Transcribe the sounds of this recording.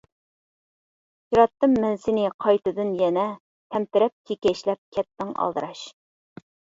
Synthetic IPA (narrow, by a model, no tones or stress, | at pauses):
jiɾɑt̪ːɨmːɛnsɪnɪqʰɑjt̪ɨd̪ɨnjɛnɛ | t̪ʰɛmtɪɾɛp̚kʲʰekʲɛʃlɛp̚kʲʰɛt̪ːɪŋɑ̰lˠd̪ɨɾɑʃ